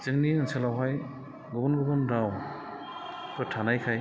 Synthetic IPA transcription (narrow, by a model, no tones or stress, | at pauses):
z̥ɯŋniɯnsɛlawɦaj | ɡɔbɔnɡɔbɔnɾaw | pɯtʰanajkʰaj